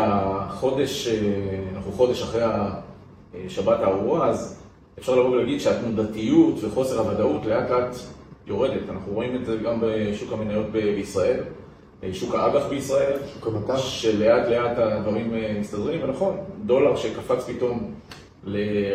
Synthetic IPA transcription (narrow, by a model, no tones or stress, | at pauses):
aχo̞de̞ʃeanaχnuχo̞de̞ʃaχʁejha | ʃabatauʁaz | efʃaʁlaʁoɡlaɡid̪ʃeatmudatijutveχo̞se̞ʁhavadautle̞atle̞atjo̞ʁe̞de̞tanaχnuʁo̞ime̞tze̞ɡambeʃukhamenajo̞tbebeisʁae̞l | ʃukaʔaɡaχbeisʁae̞lʃukamat̪aʃele̞ʔatle̞atadvaʁimemistadʁimvenaχo̞ndo̞laʁʃe̞kafat͡spito̞m | le̞